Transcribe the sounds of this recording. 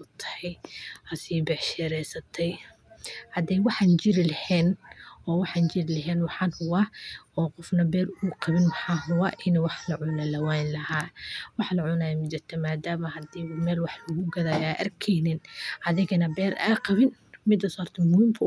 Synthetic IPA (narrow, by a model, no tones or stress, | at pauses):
ʊt̪ʰɐ̥hɛjhɐsiːbɛħʃɛɾɛjsɐt̪ʰɛj | hɐd̪ɛjwɑħɑnt͡ʃɪɾɪlɐhɛːnɔːwɑħɑnt͡ʃɪɾɪlɐɦɛːnwɑħɑːnhʊwɑɔːqɔfnɐbɛːrʊːqɑβɪnwɑħɑːɦʊwɑːʔɪnɛwɑħlɐʕʊnɐlɐwaːnlɐhaːwɑħlɐʕʊnajɐmɪt͡ʃɪrt̪ʰɛmaːd̪aːmɐhɐd̪iːʊmɛːlwɑħlɐɣʊɡɐðaːjaːʔɐ̰rkʰɛjnɪnʔɐðɪɣɐnɐbɛːɾʔa̰ːqɑβɪnmɪd̪ɐsɔrt̪ʰɐmʊhiːmkʰɐ